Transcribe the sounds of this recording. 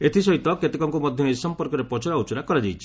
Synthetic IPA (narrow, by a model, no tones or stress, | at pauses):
et̪ʰisɔɦit̪ɔket̪ekɔŋkumɔd̪ʱjɔnejsɔmpɔɾkɔɾepɔt͡ʃɔɾaut͡ʃɔɾakɔɾad͡ʒajt͡ʃʰi̥